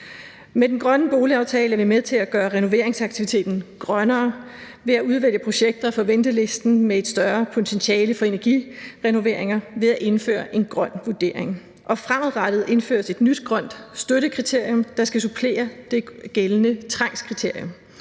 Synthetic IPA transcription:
med̥enɡ̥ʁɶnəb̥o̝ːliɑ̈ʊt͡sʰɛːləæɐʋimeðˠt͡sʰe̝læɡ̥ɶːɐʁɛno̝ʋe̝ɐeŋsɑ̈ɡ̥̚t͡sʰiʋit͡sʰe̝̰ːd̥n̩ɡ̥ʁɶnɐː | ʋe̝æuð̞ˠʋel̰jəpʰʁo̝ɕeɡ̥̚d̥ɐɒfɒ̽ʋen̰d̥əle̝sd̥n̩mee̝d̥sd̥ɶɐpʰo̝t͡sʰenɕɛːləfɒ̽e̝næɐɡ̥ḭʁɛno̝ʋe̝ɐ̰e̝ŋɐʋe̝ðˠæʔe̝nfø̰ːɐʔe̝nɡ̥ʁɶn̰ʋuɐd̥e̝̰ːɐ̰eŋ | ʔɒ̽fʁaməðˠʁɑd̥ð̞̩ˠe̝nfø̰ːɐse̝d̥nyd̥ɡ̥ʁɶn̰d̥sd̥øɾəkʰʁit͡sʰe̝ɐ̰jɔmd̥ɑ̈sɡ̥æsupʰle̝̰ːɐd̥e̝ɡ̥elənət͡sʰʁɑ̈ŋ̰skʰʁit͡sʰe̝ɐ̰jom

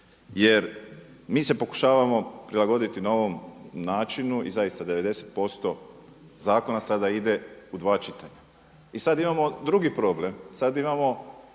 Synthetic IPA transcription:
je̞ɾmiːse̞po̞ku̥ʃaːʋamo̞pɾilˠaɡo̞d̪it̪inao̞ʋo̞mnaːt͡ʃinuʔḭzajist̪ad̪e̞ʋe̞d̪e̞set̪̚po̞st̪o̞ | zaːko̞nasad̪aid̪e̞ud̪ʋaːt͡ʃit̪aɲa | isad̪imamo̞d̪ɾuɡipɾo̞blemsad̪imamo̞

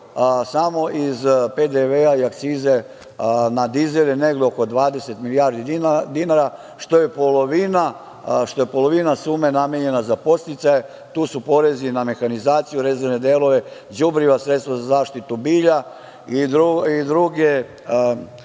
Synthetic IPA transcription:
samo̞ʔizpe̞d̪eʋeaiak̚t̪siːze̞ | nad̪izeleneɡleoko̞d̪ʋaːd̪e̞se̞t̪milijaːɾd̪id̪inaɾa | ʃt̪o̞je̞po̞loʋina | ʃt̪o̞je̞po̞lˠo̞ʋinasuːme̞nameɲe̞nazapo̞st̪it̪saje | t̪uːsupo̞ɾe̞ziname̞xanizaːt̪sijuɾezeɾne̞d̪eːlo̞ʋe̞d͡ʒubɾiʋasɾet̪st̪ʋazazaːʃt̪it̪ubiːʎa | id̪ɾuid̪ɾuɡe

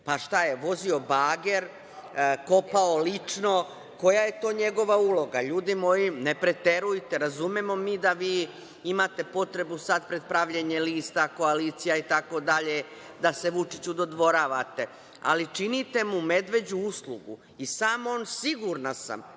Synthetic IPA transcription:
paʃt̪aje̞ʋo̞zio̞baːɡeɾ | ko̞paolit͡ʂno̞ | ko̞jaje̞t̪o̞ːɲe̞ɡo̞ʋaulo̞ɡaʎuːd̪imo̞jinepɾet̪eɾujt̪eɾazumemo̞miːd̪aʋiː | imat̪e̞po̞t̪ɾe̞busad̪pɾe̞d̪̚pɾaʋʎeɲeliːst̪ako̞aliːt̪sijait̪ako̞d̪aʎe | d̪ase̞ʋut͡ʃit͡ɕud̪o̞d̪ʋo̞ɾaʋat̪e̞ | a̰lit͡ʃinit̪e̞mume̞d̪ʋe̞d͡ʑuuslˠuɡṵ | isaːmo̞nsiɡuɾnasa̰m

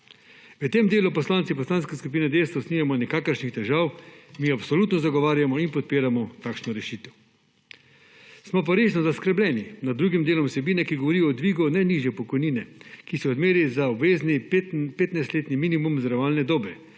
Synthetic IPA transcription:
ʋət̪eːmd̪eːlupɔslaːnt̪sipɔslanskɛskup̬iːnɛd̪eːst̪ʋɔsniːjamɔnɛkaːkəɾʃnixt̪ɛʒaːwmiapsɔlut̪nɔzaɡɔʋaːɾjamɔinpɔt̪̚piːɾamɔt̪aːkʃnɔɾɛʃiːt̪ɛw | smɔp̬aɾeːʒnɔzaskɾɛblɛninad̪d̪ːɾuːɡimd̪eːlɔmsɛbiːnɛkiɡoʋɔɾijɔːd̪ʋiːɡɔnɛniːʒjɛpɔkɔjniːnɛkisɛɔd̪meːɾizaɔbʋeːznipeːt̪najst̪leːt̪niminimumzɾɔʋaːlnɛd̪oːbɛ

